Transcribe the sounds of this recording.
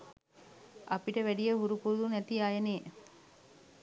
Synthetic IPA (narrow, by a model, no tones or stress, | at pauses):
ʔɐpiʈəʋæɖijɐɦuɾupuɾud̪unæt̪iajɐneː